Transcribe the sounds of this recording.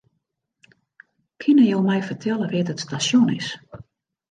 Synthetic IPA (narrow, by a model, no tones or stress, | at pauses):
kʰɪnəjowmɛjfərtʰɛlˠəʋɪtətstasjonɪs